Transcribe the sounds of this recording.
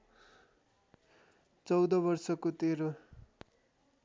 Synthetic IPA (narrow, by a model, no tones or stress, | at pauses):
t͡sʌwd̪ʌbʌrsʌkot̪eɾo